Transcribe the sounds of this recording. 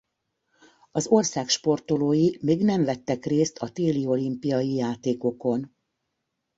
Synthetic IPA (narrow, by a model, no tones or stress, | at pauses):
ɒzo̞rsaːkʃpo̞rt̪o̞loːjimeːɡnɛɱvɛt̪ːɛkreːst̪ʰɒt̪eːlio̞limpijɒjijaːt̪eːko̞ko̞n